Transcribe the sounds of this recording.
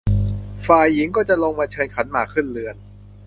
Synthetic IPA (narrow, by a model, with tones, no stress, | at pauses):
faː˨˩jːi˩˦ŋkɔː˥˩t͡ɕa˨˩lo˧ŋmaː˧t͡ɕʰɤː˧nkʰa˩˦˥nmaː˧˩kʰɯ˥˩nlɯ˧ən